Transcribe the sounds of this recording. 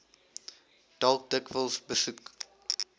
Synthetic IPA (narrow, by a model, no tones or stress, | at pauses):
d̥ɔlk̚dɪkvəlsbəsuk